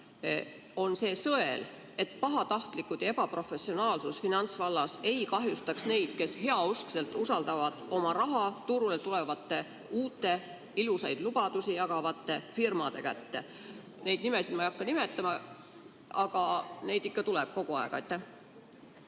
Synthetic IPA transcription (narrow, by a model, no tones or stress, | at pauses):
o̞nse̞ːsɤe̞l | e̞t̪ːˑpɑɦɑt̪ɑht̪likːˑud̪̥jɑe̞b̥ɑpro̞fe̞sːio̞nɑːlsusfinɑnt̪svɑlːɑse̞jkɑɦjust̪ɑksne̞jd̪̥ke̞she̞ɑuskse̞lt̪ˑusɑld̪̥ɑvɑd̪̥o̞mɑɾɑɦɑt̪uɾulet̪ule̞vɑt̪ːe̞ | uːt̪ːˑe̞ | ilusɑjd̪̥lub̥ɑd̪̥usijɑɡɑvɑt̪ːe̞firmɑd̪̥e̞̰kæt̪ːe̞ | ne̞jd̪̥̚nime̞sid̪mɑjɑkːɑnime̞t̪ːˑɑmɑ | ɑɡ̥ɑne̞jd̪ikːɑt̪uleb̥̚ko̞ɡ̥uɑeɡ̥ɑjt̪ˑːæh